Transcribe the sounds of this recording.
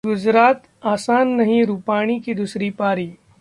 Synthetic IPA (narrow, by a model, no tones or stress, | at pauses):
ɡʊd͡ʒɾaːt̪ | aːsaːnːɐɦĩɾuːpaːɽ̃ikid̪usɾipaːɾiː